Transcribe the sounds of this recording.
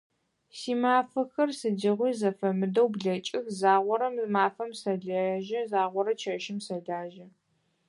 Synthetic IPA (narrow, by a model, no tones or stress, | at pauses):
siːmaːfɐxɐrsɨdɐʁʷiːzɐfɐmɨdɐwbɮɐt͡ʃʼɪxzaːʁʷɔɾɐmmaːfɐmsɐɮɐʒɐzaːʁʷɔɾɐt͡ʃʰɐʃɪmsɐɮaːʒɐ